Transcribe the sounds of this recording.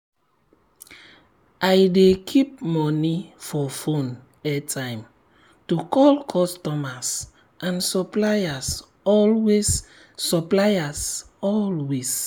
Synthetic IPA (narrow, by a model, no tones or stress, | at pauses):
ʔajdekʰip̚mɔnifɔfõn | ɛtʰãjm | tukʰɔlkʰɔstɔmas | ʔãnsɔplajas | ɔlwesː | ɔplajas | ɔlwes